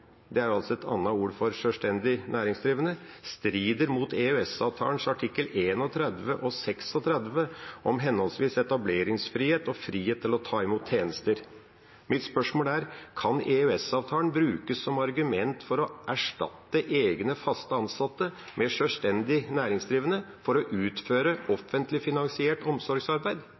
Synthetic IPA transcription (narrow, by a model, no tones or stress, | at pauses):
d̪ɛæɾɑlsɔɛt̪ʰɑ̰nːɑuːɾfɔɾʂœːst̪ɛnd̪ɪnæːɾɪŋsd̪ɾiːʋənəst̪ɾiːd̪əɾmuːt̪ɛʉɛsɑ̰ːʋt̪ʰɑ̰ːənʂɑʈʰɪkːəleːnɔt̪ʰɾɛd̪ʋəʔɔsɛksɔt̪ʰɾɛd̪ʋəʔɔmɦɛnhɔlsʋiːsɛt̪ɑbleːɾɪŋsfɾiːheːt̪ɔfɾiːheːt̪ʰːɪlɔt̪ʰɑːɪmuːt̪ʰːeːnəst̪əɾ | mɪt̪spœʂmoːlæɾkʰɑnɛøɛsɑːʋt̪ʰɑːəɳbɾʉːkəsːɔmɑɾɡʉmɛnt̪fɔɾɔʔæʂʈɑ̰t̪ːəʔeːɡnəfɑst̪əɑnsɑt̪ːə | mʔɛʂøːlst̪ɛnd̪ɪnæːɾɪŋsd̪ɾiːʋənəfɔɾɔʔʉːt̪føːɾəʔɔfːənt̪lɪfɪnɑŋsɪeːʈɔmsɔɾɡsɑɾbæɪd̪